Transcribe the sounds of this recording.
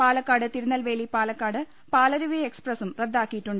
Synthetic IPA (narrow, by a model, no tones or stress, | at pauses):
paːlɐkːaːɽɨt̪iɾunːɐlʋe̞ːlipaːlɐkːaːɽɨ | paːlɐɾuʋieksprɐsumred̪ːaːkːijiʈːuɳɖɨ